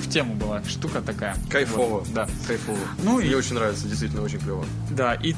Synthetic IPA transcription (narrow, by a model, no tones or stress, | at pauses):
ftʲemʊbɨlˠaʂt̪ukət̪ɐkajəkɐjfovəd̪a | kɐjfovənunʲeot͡ɕɪnʲɾavʲɪt̪sədʲɪjst̪vitʲlʲnot͡ɕɪnʲklʲovə̰ | d̪aʔi